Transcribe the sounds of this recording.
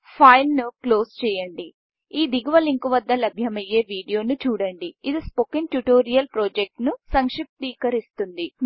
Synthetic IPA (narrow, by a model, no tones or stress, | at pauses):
pʰɐjlnuklo̞ːst͡ʃɛːjɐɳɖi | iːd̪iɡuʋɐliŋkuʋɐd̪ːɐlɐbʱjɐmɐjeːʋiːɖijo̞ːnut͡ʃuːɽɐɳɖiid̪ispokinʈjuʈoːɾijɐlpɾoːd͡ʒek̚ʈnusɐŋʂip̚t̪iːkɐɾist̪und̪i